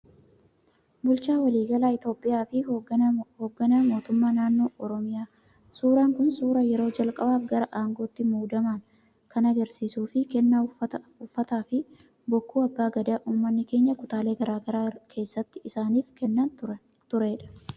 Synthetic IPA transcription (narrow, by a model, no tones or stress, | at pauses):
bʊlt͡ʃaːwɐliːɡɐlaːɪt̪o̞ːpʼɪjaːfɪ | hoːɡːɐnɐmo̞ːt̪ʊmːaːnaːnːo̞ːʔɔɾɔmɪjaː | suːɾaːŋkʊnsuːɾɐjɛɾo̞ːd͡ʒɐlkʼɐbaːfɡɐɾɐʔaːŋɡo̞ːt̪ːɪmuːd̪ɐman | kɐnɐɡɐɾsiːsuːfɪkɛnːaʊfːɐt̪aːfɪ | bɔkːuːɐbːaːɡɐd̪aːʔuːmːɐnːɪke̞ːɲːɐkʊt̪aːle̞ːɡɐɾaːɡɐɾaːkʰe̞ːsːɐt̪ːɪɪsaːniːfkɛnːɐnt̪ʊ | t̪ʊɾɛᶑɐ̥